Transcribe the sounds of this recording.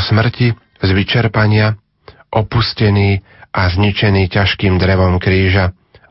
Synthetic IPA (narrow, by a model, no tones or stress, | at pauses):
smr̩ci | zʋit͡ʃɛɾpaɲɪa | ʔɔpuscɛniː | ʔazɲit͡ʃɛniːcaʃkiːmd̪ɾɛʋɔmkɾiːʒa